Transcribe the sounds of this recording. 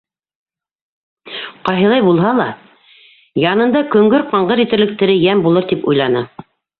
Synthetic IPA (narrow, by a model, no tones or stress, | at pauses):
qɑjɦɤ̆lˠɑjbulˠɦɑlˠɑ | jɑnɤ̆nd̪ɑkɵ̆ŋɡɵɾqɑɴʁɤɾit̪ɘ̆ɾlɘ̆k̚t̪ɘ̆ɾɘjæmbulˠɤɾt̪ipujlˠɑnɤ